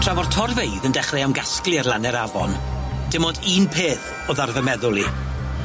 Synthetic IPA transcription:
pʰr̥avɔr̥tʰɔrvejðəndɛχrɛawnɡaskliɛrlˠanɛɾavɔ̰nd̥ɪmɔdiːnpʰeːθ | ɔðarvəmɛðʊlˠi

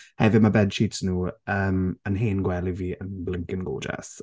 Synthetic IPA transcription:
hɛvɪdmabɛd̥ʃiːtsnuːəːmənɦeːnɡwɛlɪviːənblɪŋkɪnɡo̰lˠd͡ʒɛ̰s

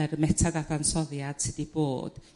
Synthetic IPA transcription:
rmɛtʰadaθansɔðjad̥sɨdibo̰ːd̥

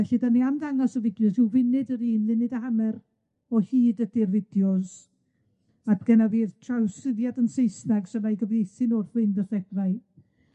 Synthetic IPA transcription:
ɛɬidaniamdaŋɔsɔvɪdjɔzɪwvɪnɪdəɾiːnlɪnɪdahamɛr | ɔhiːdədɪrvɪdjɔz | adɡ̥ɛnaviːðtʰrawsɪðjadənsejsnaɡsəmajɡəvejθɪnɔrθwɪndərɛɡraɨ

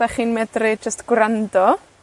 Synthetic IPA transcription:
aχiːnmɛdrɪd͡ʒəstɡ̥wrandɔ

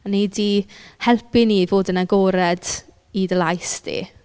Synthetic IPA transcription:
anidihɛlˠpinivoːdənaɡoːɾɛd̥ | idəlajsd̥ḭ

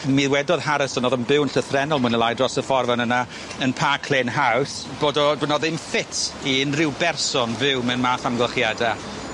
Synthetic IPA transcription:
miːðwɛdɔðhaɾəsɔnɔðənbɪwnɬəθrɛnɔlˠmʊnəlˠajdrɔsəfɔrvanəna | ənpʰaːkʰl̥ˠeːnɦaws | b̥oːdɔdunɔðɪmfɪtʰiɪnrɪwbɛrsɔnvɪwmɛnmaːθamɡlˠəχjada

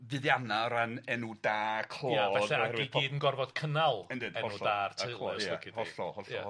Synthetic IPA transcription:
vɨðjanaɾanɛnudaːkʰlˠoːɛɛahɛɾwɨi̥ɡʰiːdənɡɔrvɔd̥kʰənalˠɛndɨd̥ɛɔuɔaːrtʰeɨoːaɛkʰidɔɬɔ̰hɔɬɔa̰

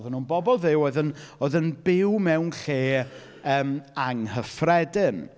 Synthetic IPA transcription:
ðənuːnbɔbɔlˠðɪwoːɨðənoɨðənbɪwmɛwnɬeː | əːmaŋhəfrɛdɪn

